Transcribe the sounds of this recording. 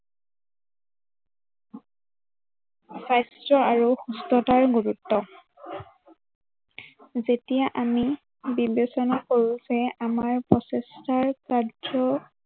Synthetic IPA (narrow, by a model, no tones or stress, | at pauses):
sajstɹɔaɹuxustɔtaɹɡuɹutːɔ | zetijaʔami | bibesɔnakoɹuzɛamaɹpɔsɛstaɹkaɔ